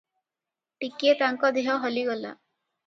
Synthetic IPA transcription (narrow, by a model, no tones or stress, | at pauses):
ʈiket̪aŋkɔd̪iɦɔɦɔliɡɔla̰